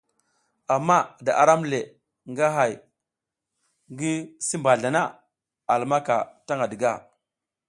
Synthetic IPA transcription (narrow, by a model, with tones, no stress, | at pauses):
a˨mːa˦da˨ʔa˨ɾa˦mle˨ | ŋɡa˦ɦa˨j | ŋɡi˦si˦mba˨ɮa˨na˦ | a˨lma˦ka˨ta˦ŋɡa˨di˨ɡa˦˨